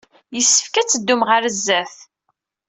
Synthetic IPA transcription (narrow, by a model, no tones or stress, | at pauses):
jəsːə̥fkæt͡sːəd̪ːumʁəɾəzːæθ